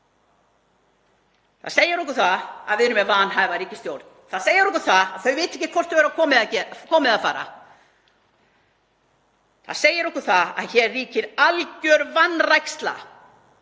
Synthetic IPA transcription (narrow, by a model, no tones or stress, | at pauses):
θa̰ðseːjɪɾɔhkʏɾ̥θaa̰ðvɪðɾʏmɛvaːnɦajvaɾiːcɪ̥st̪joːwɾt̪nθaðseːjɪɾɔhkʏɾ̥θaaðθœɥvɪːt̪ɛcɪkʰɔr̥t̪vɛɾakʰɔːmɪðacɛkʰɔːmɪðafaːɾa̰ | θa̰ðseːjɪɾɔhkʏɾ̥θaða̰ðçɛːrriːcɪɾalcœɾvanːrajkst̪la̰